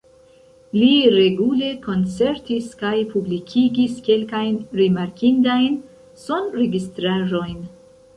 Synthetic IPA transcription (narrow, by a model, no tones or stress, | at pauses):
liɾe̞ɡule̞ko̞nt͡se̞ɾtiskajpublikʰiɡiske̞lkajnɾimaɾkindajn | so̞nɾe̞ɡistɾaʒo̞jn